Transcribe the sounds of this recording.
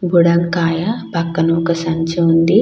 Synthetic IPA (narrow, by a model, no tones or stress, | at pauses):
buɽɐŋkaːjɐpɐkːɐnuːkɐsɐɲt͡ʃɐund̪i